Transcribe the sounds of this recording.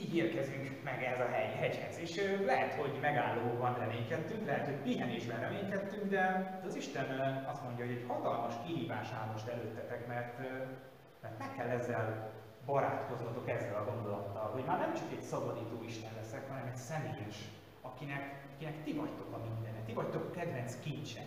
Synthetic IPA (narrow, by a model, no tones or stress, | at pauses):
iɦirkɛzyŋkmɛɡɛɦɛzɒɦɛjiɦɛɟhɛzeːʃølɛɦɛt̪ho̞ɟmɛɡaːlːoːbɒnrɛmeːɲk̪ɛt̪ːyŋklɛɦɛt̪ho̞ɟmiɦɛniʒbɛnrɛmeːɲk̪ɛt̪ːyŋɡd̪ɛd̪ɛɒziʃt̪ɛnɒst̪mo̞ɲɟɒɦo̞ɟɛchɒt̪ɒlmɒʃkiɦiːvaːʃaːnoʃt̪ɛløːt̪ːɛt̪ɛkmɛrt̪ː | mɛrt̪mɛkːɛlːɛzːɛl | bɒɾa̰ːt̪ko̞znɒt̪o̞kɛzːɛlɒɡo̞nd̪o̞lɒt̪ːɒlɦo̞ɟmaːrnɛmt͡ʃɒkɛcsɒbɒd̪iːt̪oːiʃt̪ɛnlɛsɛkhɒnɛmɛcsɛmeːjɛʃ | ɒkinɛk | ɒkinɛkt̪ivɒct̪o̞kɒmind̪ɛnɛt̪ːivɒct̪o̞kkɛd̪vɛnskint͡ʃɛ̰n